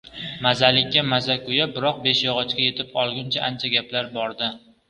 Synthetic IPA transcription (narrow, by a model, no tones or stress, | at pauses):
mazalɪkʲːamazakʰʊjabɪɾɒq̚be̞ʃjɒʁɒt͡ʃkʲaje̞t̪ʰɪpɒlˠɡʲʊnt͡ʃʰaʔant͡ʃʰaɡʲaplaɾbɒɾd̪ɪ